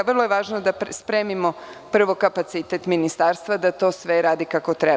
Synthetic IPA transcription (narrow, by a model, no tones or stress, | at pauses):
ʋərlˠojeʋaːʒnod̪aspɾeːmimo̞ | pr̩ʋo̞kapat̪sit̪et̪minist̪aːɾst̪ʋad̪at̪o̞ːsʋeɾaːd̪ikako̞t̪ɾe